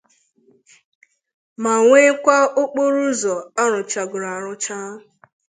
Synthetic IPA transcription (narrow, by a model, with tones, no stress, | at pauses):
ma˨ŋʷe˦kʷa˦o˦k͡po˦ɾu˦zɔ˨a˦ɾʊ˨t͡ʃa˨ɡʊ˨ɾa˨ɾʊ˦t͡ʃa˦ʊ˨